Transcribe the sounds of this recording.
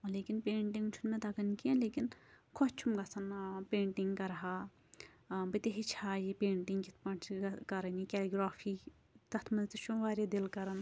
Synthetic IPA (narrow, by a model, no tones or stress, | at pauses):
leːkinpeːɳʈiŋɡt͡ʃʰunmẽt̪ɐkɐnkẽnleːkinkʰɔt͡ʃt͡ʃʰumɡɐsʰɐnpẽːɳʈɪŋɡkɐɾɦaː | bɐt̪eɦit͡ʃʰaːjepẽːɳʈɪŋɡkit̪ʰpɐɳt͡ʃkɐɾɐnikʲɛːliɡɾaːpʰiː | t̪ɐt̪ʰmɐnt̪it͡ʃʰumʋaːɾed̪ɪlkɐɾɐn